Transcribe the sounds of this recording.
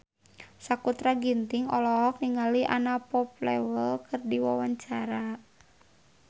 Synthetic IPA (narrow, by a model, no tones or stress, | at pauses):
sakut̪ɾaɡint̪iŋɔlɔɦɔk̚niŋaliʔa̰napɔplɛwəlkərdiwawaɲt͡ʃaɾa